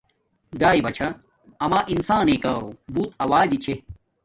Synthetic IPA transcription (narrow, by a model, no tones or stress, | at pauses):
ɡaːibɐt͡ɕʰɐ | ɐmaʔinsaːnekɐobuːt̪ɐwaːd͡ʑit͡ɕʰe